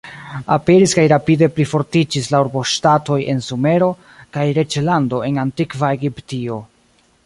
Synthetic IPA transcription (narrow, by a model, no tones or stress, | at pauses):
ape̞ɾiskajɾapide̞plifo̞ɾtid͡ʒislauɾbo̞ʃtato̞jʔe̞̰nsume̞ɾo̞ | kajɾe̞t͡ʃlando̞e̞nantikvae̞ɡiptio̞